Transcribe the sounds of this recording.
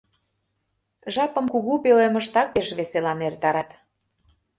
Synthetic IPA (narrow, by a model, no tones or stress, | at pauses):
ʒɑpə̆mkuɣupeleməʃt̪ɑk̚peʃβeselɑnert̪ɑɾɑt̪